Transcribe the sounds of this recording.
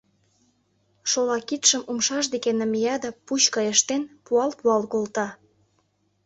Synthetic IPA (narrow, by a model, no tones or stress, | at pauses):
ʃolɑkit̪ʃəmumʃɑʃd̪ekenəmijɑd̪ɑput͡ɕkɑjəʃt̪enpuɑlpuɑlkolt̪ɑ